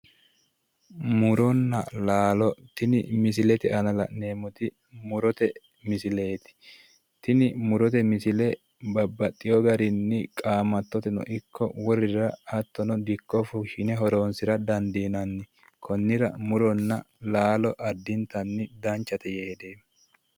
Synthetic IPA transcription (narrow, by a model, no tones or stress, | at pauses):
mʊɾɔnːɐ̰laːlɔt̪ɪnɪ̰mɪs̬ɪlɛt̪ɪʔɐnɐlɐ̰neːmʊt̪ɪ | mʊɾɔt̪ɛ | mɪsɪle̞ːt̪ɪ̥ | t̪ɪnɪmʊɾɔt̪ɛmɪsɪlɛ | bɐbːɐt̪ʼːɪjɔɡɐɾɪnːɪkʼaːmɐt̪ːɔt̪ɛnɔ̰ʔɪkʰːɔwɔrɪɾɐɐt̪ːɔnɔd̪ɪkːɔfʊʃɪnɛɦɔɾoːnsɪɾɐd̪ɐnd̪iːnɐnːɪ | kʰɔnːɪɾɐ̰mʊɾɔnːɐ | laːlɔʔɐd̪ːɪnt̪ɐnːɪd̪ɐnt͡ʃːɐt̪ɛjeːɛd̪eː